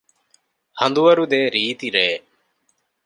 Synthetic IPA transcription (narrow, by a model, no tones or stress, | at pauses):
hɐnd̪uʋɐɾud̪eːɾiːt̪iɾeː